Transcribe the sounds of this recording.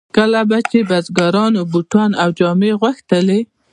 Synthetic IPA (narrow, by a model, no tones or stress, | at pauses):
kəlabat͡ʃebazɡɑɾɑnobuʈɑnawd͡ʒɑmeɣwaxt̪əle